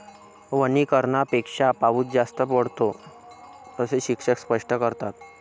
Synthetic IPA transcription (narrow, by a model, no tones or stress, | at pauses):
ʋənikəɾɳapekʂapaʋuːt̪̚d͡zast̪əpəɽ̤t̪o | t̪əseɕikʂəkspəʂʈəkəɾt̪at̪